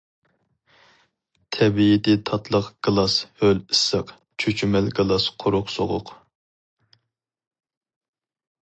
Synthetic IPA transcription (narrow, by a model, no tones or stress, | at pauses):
t̪ʰɛbijid̪ɛt̪ʰɑt̪ʰlˠəqɡ̥ɨlˠɑshølisːəq | t͡ʃʰøt͡ʃʰymɛlɡɨlˠɑsqʰʊɾʊqsoʁʊ̰q